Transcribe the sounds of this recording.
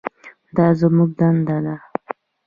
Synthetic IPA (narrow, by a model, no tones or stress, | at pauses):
d̪ɑzəmuɡ̚d̪and̪ad̪a